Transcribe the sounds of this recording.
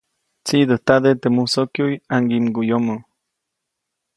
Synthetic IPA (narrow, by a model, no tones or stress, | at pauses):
t͡sid̪ət̪ad̪et̪emusokjujaŋɡimɡujomo